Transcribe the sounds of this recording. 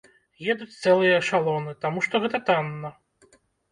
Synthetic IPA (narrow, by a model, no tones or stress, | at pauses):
jɛd̪ut͡sʲt̪sɛlˠɨjɐʂalˠɔnɨt̪amuʂt̪ɔɣɛt̪ɐt̪anːɐ